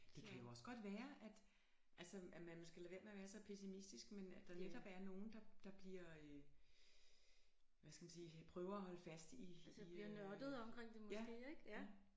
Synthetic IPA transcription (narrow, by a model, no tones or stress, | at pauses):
d̥e̝kʰæjo̝ɒ̽sɡ̥ɒ̽d̥ʋæːɐʔæd̥ | ʔælsɒæmænmsɡ̥æle̝ʋe̝ːɐmeɐʋæːɐsɒ̽pʰesimisd̥isɡ̥menæ̥ɑ̈ned̥ɒ̽b̥æɐno̝ːn̩d̥ɑ̈d̥ɑ̈b̥liɐ̰ø | ʋæskʰæmænsiːpʰʁœːʊɐæhɒ̽ləfæsd̥isiɐnɶɐd̥ð̞̩ˠɒ̽mkʰʁeŋ̰d̥emɔjsæɡ̥e̝̰ːeɡ̥æ